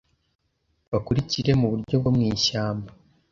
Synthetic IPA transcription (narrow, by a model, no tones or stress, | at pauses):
βakuɾiciɾe̞muβuɾɟo̞βomŋiːʃaːmba